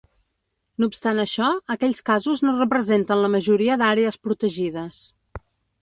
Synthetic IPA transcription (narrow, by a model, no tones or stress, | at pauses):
noːpst̪anəʃɔəkɛʎʲskazuznorəpɾəzent̪ənləməʒuɾiəðaɾeəspɾut̪əʒiðəs